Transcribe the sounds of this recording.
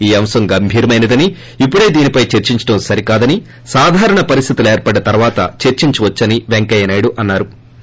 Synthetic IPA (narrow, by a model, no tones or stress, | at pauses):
iːɐmsɐmɡɐmbʱiːɾɐmɐjnɐd̪ɐni | ipːuɽe̞ːd̪iːnipɐjt͡ʃeɾt͡ʃiɲt͡ʃɐ̥ɽɐmsɐɾikaːd̪ɐni | saːd̪ʱaːɾɐɳɐpɐɾist̪ʰit̪uleːɾpɐɽɐt̪ɐɾʋaːt̪ɐ̰t͡ʃeɾt͡ʃiɲt͡ʃuʋɐt͡ʃːɐniʋeŋkɐjɐnɐjɽuʔɐnːaːɾu